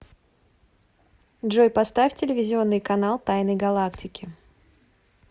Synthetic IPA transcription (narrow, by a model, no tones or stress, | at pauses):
dʐojpɐst̪afʲtʲɪlʲɪvʲɪzʲɪo̞nːɨjkɐnalˠt̪ajnəjɡɐlˠaktʲɪkʲɪ